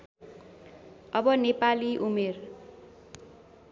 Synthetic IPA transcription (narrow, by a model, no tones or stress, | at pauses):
ʌbʌnepaliʔumer